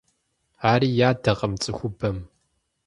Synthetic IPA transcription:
aːɾiːjaːdɐʁɐmt͡sʼɨxʷʊbɐm

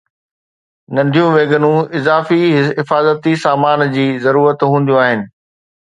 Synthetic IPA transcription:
nɐ̃nd̪ʱijũʋeːɡənũɪzaːfiɦɦɪfaːzət̪isaːmaːnd͡ʑiːzɐɾuːɾət̪ɦũːnd̪ijũaːɦɪnɪ̆

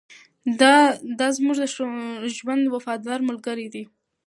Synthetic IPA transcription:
d̪ɑzmuʐd̪əʃʒwand̪wafɑd̪ɑɾmʊlɡəɾid̪i

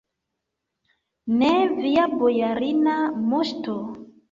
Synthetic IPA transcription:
neviabojaɾinamoʃto

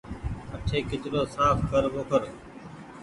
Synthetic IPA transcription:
əʈʰeːkɪt͡ʃɗoːsaːfkəɾboːkəɾ

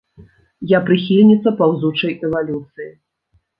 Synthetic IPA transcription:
japɾɨx̬ʲilʲnʲit̪sːɐpawzut͡ʂɐjʔɛvalʲut̪sɨji

